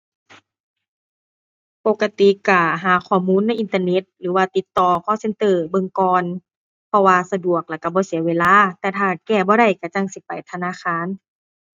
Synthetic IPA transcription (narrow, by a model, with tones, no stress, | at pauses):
po˧˦kːa˧t̪i˧˨ka˧˩ɦaː˨˩˦kʰɔː˧˩muː˧˥˨nːa˧˥jʔi˨nt̪aː˧ne˧˦t̪̚lɯː˨˩˦waː˧t̪i˧˦t̪ːɔː˧kʰɔː˧˥˨se˧˥nt̪ɤː˧˩bɤ˧˨ŋkɔː˧n | pʰɔ˧waː˧sa˧du˨˩ək̚la˧˩ka˧˩bɔː˧˦si˨˩˦ɐweː˧˨laː˧˥˨t̪ɛː˧t̪ʰaː˧˩kɛː˧˩bɔː˧˦ɾa˧˩jka˧˩t͡ɕa˧˨ŋsi˧˦pa˨˩jt̪ʰa˧naː˧˥˨xʰaː˧˥˨n